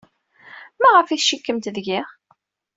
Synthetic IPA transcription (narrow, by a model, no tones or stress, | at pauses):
mæʁəfiθʃikːəmt̪ðʝiʁ